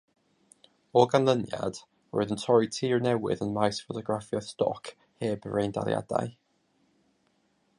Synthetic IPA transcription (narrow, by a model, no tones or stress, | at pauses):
oːɡanlˠənja̰d̥ | wə̰ɹɪðə̃ntʰɔɹitʰiːɹnɛwɪ̰ðənmajsfotʰɔɡɹafiəstɔ̰kʰ | heːbəɹẽjnda̰lḭa̰d̥a̰j